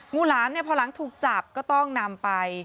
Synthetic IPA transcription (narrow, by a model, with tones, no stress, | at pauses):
ŋuː˥˩laː˦˥nːi˥˩ɐpʰɔː˧la˩˦ŋt̪ʰuː˨˩k̚t͡ɕa˨˩p̚kɔː˥˩t̪ɔ˥˩ŋna˧mpa˧j